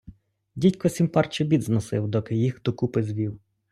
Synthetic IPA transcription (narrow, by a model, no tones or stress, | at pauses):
dʲitʲkɔsʲimpɑrt͡ʃɪbʲid̪znɔsɪwd̪ɔkɪjixd̪ɔkupɪzʋʲiw